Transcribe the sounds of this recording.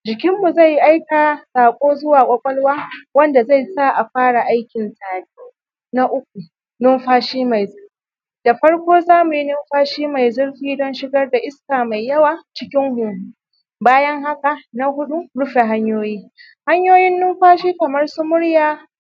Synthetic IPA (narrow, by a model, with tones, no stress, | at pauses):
d͡ʒɪ˨kʲɪ˦mːu˨za˦˨ji˦ʔa˦jka˨saː˨kʷʼoː˦zʊ˦waː˨kʷʼɐ˦kʷʼɔ˦lwaː˦wɐ˦nda˨za˦˨jsa˦ʔa˨ɸaː˦ɽa˨ʔa˦jkʲɪ˨ntʼaː˨biː˦ | na˦ʔʊ˦k̚ʷu˨ | nʊ˦mɸaː˦ʃiː˦ma˨jzʊ˦rɸi˨ | da˨ɸɐ˦ɽkʷoː˦zaː˦mu˨ji˦nʊ˦mɸaː˦ʃiː˦ma˨jzʊ˦rɸiː˦dɔ˦nʃɪ˦ɡɐ˦rda˨ʔɪ˦skaː˨ma˨jːɐ˦waː˨t͡ʃɪ˦kʲɪ˦ŋɦʊ˨hu˦ | baː˦jɐ˦ŋɦa˦ka˨na˦hʊ˦ɗu˦ɽʊ˦ɸe˨ɦa˦ɲjoː˦jiː˦ | ha˦ɲjoː˦jɪ˦nːʊ˦mɸaː˦ʃiː˦kɐ˨mɐ˦rsu˦mʊ˦ɽjaː˦